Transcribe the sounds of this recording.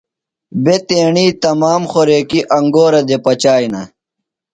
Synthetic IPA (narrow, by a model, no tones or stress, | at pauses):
bet̪eːɳiːt̪ɐmaːmxoɾeːkiʔɐŋɡoːɾɐd̪epɐt͡ɕaːjnɐ̰